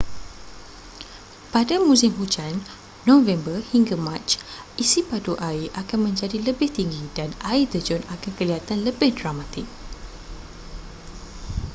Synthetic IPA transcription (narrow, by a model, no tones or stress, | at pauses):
padamũsɪmɦud͡ʒanː | ɔ̃vɛmbərhiŋɡamãt͡ʃʔisipadoʔaiʔakanmə̃ɲd͡ʒadiləbɪht̪iŋɡidanaid̪əd͡ʒɔnakankəliɦat̪anləbɪhdramat̪ɪk̚